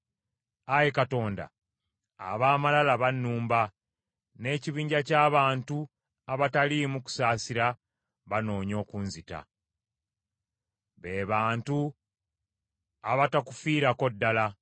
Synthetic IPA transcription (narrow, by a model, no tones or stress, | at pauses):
ajekato̞ːnda̰ː | βaːmalalaβanːuːmba | ne̞ːciβiːɲɟacaːβaːntu | aβatalimuku̥saːsiɾa | βano̞ːɲo̞ːkunzita̰ | βe̞ːβaːntu | aβataku̥fiːɾako̞dːala